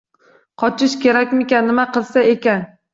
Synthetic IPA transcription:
qʰɒt͡ʃʰɪʃkʲʰe̞ɾakʲmɪkʲanːɪmaqɨlˠsae̞kʲan

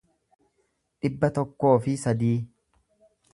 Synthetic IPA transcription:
ᶑɪbːɐt̪ɔkːo̞ːfɪsɐd̪iː

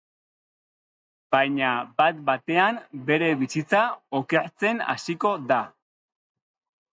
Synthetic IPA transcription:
b̥ajɲabat̪̚bat̪e̞ambe̞ɾe̞βisit͡saoke̞ɾt͡se̞na̰siko̞da

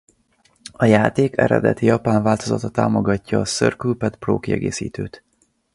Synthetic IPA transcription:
ɒjaːt̪eːkɛ̰ɾɛ̰d̪ɛt̪ijɒpaːɱvaːlt̪ozɒt̪ɒt̪aːmo̞ɡɒcːɒːsørkylpɛt̪pro̰ːkiɛ̰ɡeːsḭːt̪øːt̪

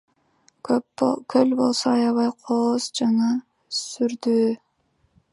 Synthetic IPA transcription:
pkʰølbo̞lˠsoɑjɑβɑjqʰoːzd͡ʒɑŋɑ | syɾd̪yː

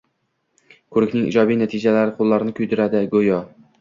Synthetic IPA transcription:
kʰɵɾɪkʲnɪŋḭd͡ʒɒbijnat̪ʰɪd͡ʒalaɾɪqʰolˠːaɾɪnɪkʰʊjd̪ɪɾad̪ɪɡojɒ

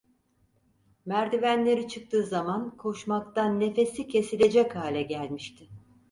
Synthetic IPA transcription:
mæɾd̪ivænlʲe̞ɾit͡ʃʰɯk̚t̪ʰɯːzamankʰoʃmak̚t̪anːe̞fe̞sicʰe̞silʲe̞d͡ʒɛchaːlʲɛɟælʲmiʃt̪ʰɪ

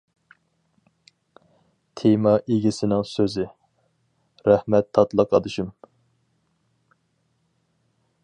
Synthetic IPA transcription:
t̪ʰemɑʔeɡʲisɪnɪŋsøzɪ | ɾɛhmɛt̪ʰːɑt̪lˠɑqʰɑd̪ɨʃɨm

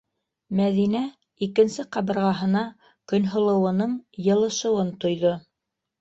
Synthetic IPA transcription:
mæðinæ | ikɘ̆nsɘqɑβɤ̆ɾʁɑɦɤ̆nɑ | kɵ̆nɦŏlˠɤ̆wɤ̆nɤɴjɤ̆lˠɤ̆ʃɤ̆wɤnt̪ŏjðo

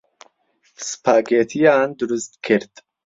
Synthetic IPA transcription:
spʰaːɡeːt̪ʰijaːnd̪uɾust̪kʰɨɾt̪

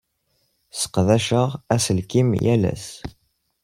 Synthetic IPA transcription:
sə̥qðæʃəʁæsəlkimjælæ̰s

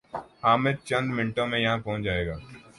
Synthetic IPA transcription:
haːmed̪̚t͡ʃɐ̃nd̪mɪɳʈõmẽjɐɦãpɐɦʊ̃t͡ʃd͡ʒaːeːɡaː

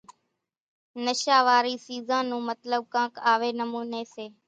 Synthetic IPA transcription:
nəʃaːʋaːɾiːsiːzãːnũːmət̪ləb̚kãːkaːʋeːnəmuːneːseː

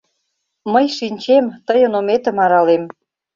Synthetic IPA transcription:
məjʃinʲt͡ɕemt̪əjə̆nomet̪ə̆mɑɾɑlem

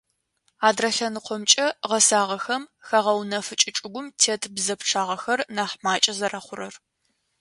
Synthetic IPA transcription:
aːdrɐɬɐnɨqʷʰɔmt͡ʃʼɐʁɐsaːʁɐxɐmxɐʁɐwnɐfɨt͡ʃʼɪt͡ʃʼɪɡʷʊmtʰeːtʰbzɐpʈ͡ʂʰaːʁɐxɐrnaːħmaːt͡ʃʼɐzɐɾɐχʷʊɾɐr

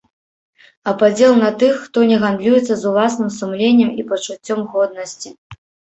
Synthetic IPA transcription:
ɐpad͡zʲɛlˠnɐt̪ɨxːt̪ɔnʲɛɣand̪lʲujɛt̪sːɐzulˠasnɨmsumlʲenʲːɛmipɐt͡ʂut͡sʲːɔmɣɔd̪̚nɐsʲt͡sʲi

